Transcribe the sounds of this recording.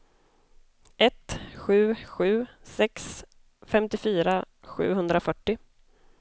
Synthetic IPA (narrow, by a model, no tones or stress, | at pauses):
ʔɛt̪ɧʉ̟ːɧʉ̟ːsɛks | fɛmt̪ɪfyːɾa | ɧʉ̟̰ːɦɵnd̪ɾafœʈːɪ